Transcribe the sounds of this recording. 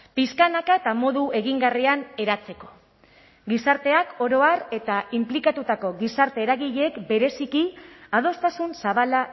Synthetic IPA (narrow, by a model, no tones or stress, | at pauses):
piskanakaet̪amo̞ðue̞ɣiŋɡariane̞ɾat͡se̞ko̞ | ɡisaɾt̪e̞ako̞ɾo̞are̞t̪aimplikat̪ut̪ako̞ɣisaɾt̪e̞ːɾaɣiʎeːkbe̞ɾe̞sikiað̞o̞st̪asunsaβala